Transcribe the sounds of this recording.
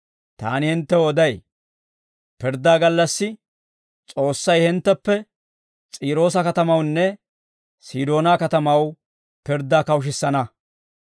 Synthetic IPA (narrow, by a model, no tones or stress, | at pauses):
t̪a̰ːnɪhɪnt̪ːɛwɔd̪ɐj | pɪɾd̪ːaːɡɐlːɐsːɪ | t͡sʼo̞ːsːɐjhɪnt̪ːɛpːɛ | t͡sʼiːɾo̞ːs̬ɐkɐt̪ɐmɐwnːɛ | siːd̪o̞ːnaːkɐt̪ɐmɐw | pɪɾd̪ːaːkɐwʃ̬ɪsːɐnɐ